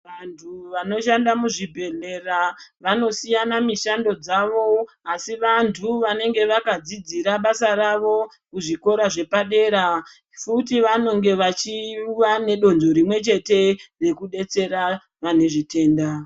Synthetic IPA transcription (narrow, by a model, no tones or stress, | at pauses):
ʋantʰuʋano̞ʃandamuʐibʱe̞ɮe̞raʋano̞sijanamiʃando̞d͡zaʋo̞ | asiʋantʰuʋane̞ŋɡe̞ʋakad͡zid͡ziɾaɓasaɾaʋo̞ | kuʐiko̞ɾaʐe̞paɗe̞ːɾa | futiʋano̞ŋɡe̞ʋat͡ʃiʋane̞ɗo̞nd͡ʒo̞ɾimwe̞t͡ʃe̞te̞re̞kuɗe̞t͡se̞ɾa | ʋane̞ʐite̞ːnda